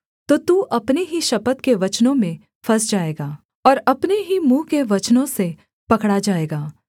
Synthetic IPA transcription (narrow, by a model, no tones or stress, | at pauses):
t̪ot̪uːʔɐpneɦiʃɐpət̪keʋɐt͡ʃnõmẽ | fʰɐsd͡ʒaːeːɡaː | ɔːɾɐpneɦimũːkeʋɐt͡ʃnõse | pɐkɽad͡ʒaːeːɡaː